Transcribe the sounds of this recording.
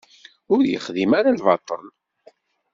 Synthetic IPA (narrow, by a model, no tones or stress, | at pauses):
ʊɾjə̰χðimaɾalvɑt̪ˤːən